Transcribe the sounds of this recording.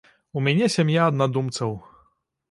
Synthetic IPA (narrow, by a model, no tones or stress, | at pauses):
umʲanʲɛsʲamʲjaːd̪nad̪umt̪sɐw